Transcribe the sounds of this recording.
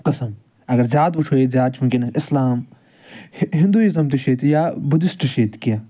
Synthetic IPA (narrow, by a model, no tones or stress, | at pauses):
qɐsɐm | ɐɡɐɾzʲjaːd̪ut͡ʃʰoːezʲjaːd̪̚t͡ʃʰũːkinɪslaːm | ɦɪ̃nd̪uːizɐmt̪iʃeːt̪jaːbʊd̪ɪsʈɨʃeːt̪kijaː